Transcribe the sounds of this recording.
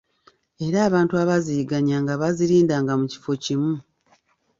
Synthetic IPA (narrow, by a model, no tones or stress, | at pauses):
e̞ɾaːβaːntuaβaziːɡaɲaːŋɡaβaziɾiːndaːŋɡamuci̥fo̞cimu